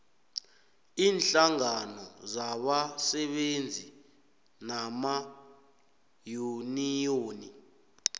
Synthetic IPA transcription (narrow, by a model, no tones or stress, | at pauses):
iːnɬaŋanɔzaɓasɛɓend͡zʱi | nama | junijoːni